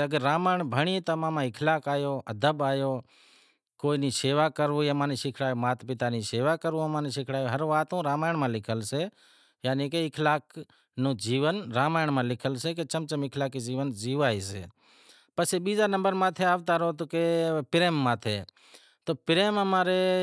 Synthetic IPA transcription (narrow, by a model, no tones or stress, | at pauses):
əɡəɾːaːmaːɳbʱəɳ̃iːt̪omãːmãːɪkʰlaːkaːjoːʔəd̪ʱəbaːjoː | koːinĩːseːʋaːkəɾʋõːjaːmaːniːʃɪkʰɽaːjoːmaːt̪pɪt̪aːnĩːseːʋaːkəɾʋũəmãːniːʃɪkʰɽaːjoːɦəɾʋaːt̪õːɾaːmaːɪɳmãːlɪkʰəlseː | jaːnĩːkeɪkʰlaːk | nũːd͡ʒiːʋənɾaːmaːjɳmãːlɪkʰəlseːk̬et͡ʃəmt͡ʃəmɪkʰlaːkiːd͡ʒiːʋənd͡ʒiːʋaːiːsḛː | pəseːɓiːzaːnəmbəɾmaːt̪ʰeaːʋt̪aːɾoːt̪okeːpɪɾeːmːãːt̪ʰḛː | t̪oːpɪɾeːməmaːɾeː